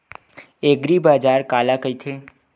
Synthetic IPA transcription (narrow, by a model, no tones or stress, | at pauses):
eɡɾibad͡ʒaɾkalakəit̪ʰe